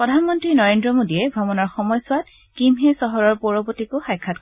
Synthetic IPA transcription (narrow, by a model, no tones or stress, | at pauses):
pɹɔdʱanmɔntɹinɔɹendɹɔmodijɛɡʱɔmɔnɔɹxɔmɔjsʊwat | kimɦɛsɔɦɔɹɔɹpɔɹɔpotikʊxajkʰːat̚k